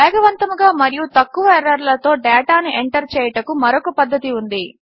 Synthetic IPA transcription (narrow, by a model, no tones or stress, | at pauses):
ɛːɡɐʋɐnt̪ɐmuɡaːmɐɾijut̪ɐkːuʋɐɛɾːɐɾlɐt̪o̞ːɖɛːʈaːniʔeɳʈɐɾt͡ʃɛːjɐʈɐkumɐɾokɐpɐd̪ːɐt̪iund̪i